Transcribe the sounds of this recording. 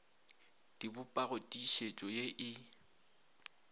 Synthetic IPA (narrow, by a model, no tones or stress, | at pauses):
d̥ibʊpʼaɣotʼiʃet͡ʃʼɔjeʔɪ